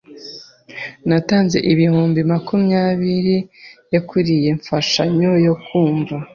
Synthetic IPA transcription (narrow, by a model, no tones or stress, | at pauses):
nataːnze̞̰ʔiβihuːmbimakumɲaːβiɾijakuɾije̞ɱfaʃaɲo̞jo̞kuːɱva